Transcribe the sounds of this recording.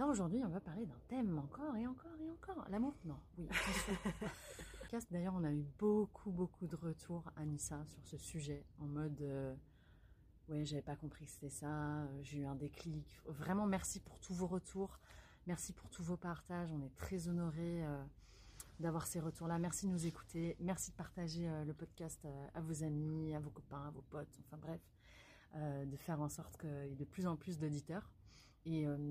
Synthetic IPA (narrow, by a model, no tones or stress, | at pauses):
laoʒuʁd̪ɥiɔ̃vapaʁled̪ɛ̃t̪ɛmɑ̃kɔʁeɑ̃kɔʁeɑ̃kɔʁlamuʁnɔ̃wiɛ | kʲast̪̚d̪ajœʁɔ̃naybokʰubokʰud̪əʁət̪ʰuʁamisasyʁsəsyʒɛɑ̃mɔd̪ø | wɛʒavɛpakɔ̃pχikə̥se̥t̪ɛsaøʒeyɛ̃d̪eklikvʁɛmɑ̃mɛʁsipuʁt̪ʰuvoʁət̪ʰuːʁ | mɛʁsipuʁt̪ʰuvopaʁt̪aʒɔ̃nɛt̪χɛzɔnɔʁeø | d̪avwaʁseʁət̪uʁlamɛʁsid̪ənuzeku̥t̪emɛʁsid̪əpaʁt̪aʒeøləpɔd̪kʲast̪øavozamiavokɔpɛ̃avopɔt̪ɑ̃fɛ̃bʁɛf | ød̪əfɛʁɑ̃sɔʁt̪kəed̪əplyzɑ̃plys̬d̪od̪it̪œːʁ | eø